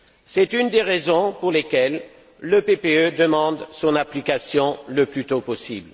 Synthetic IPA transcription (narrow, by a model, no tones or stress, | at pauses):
sɛt̪ynd̪eʁezɔ̃puʁlekʲɛlː | əpepeød̪əmɑ̃d̪sɔ̃naplikasjɔ̃ləplyt̪opɔsibl